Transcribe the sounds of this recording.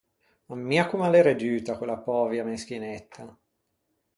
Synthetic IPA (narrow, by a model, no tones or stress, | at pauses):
amːiakumaleɾed͡ʒyːt̪akwelːapɔːvjamesk̟inet̪ʰːa